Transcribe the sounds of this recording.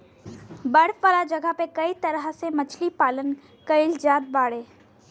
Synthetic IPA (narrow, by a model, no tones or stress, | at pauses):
bɐɽʋaːlad͡ʒɐɡəpekɐit̪ɐɾɦəsemɐt͡ʃʰlipaːlən | kɐɪld͡ʒaːd̪̚baːɽeː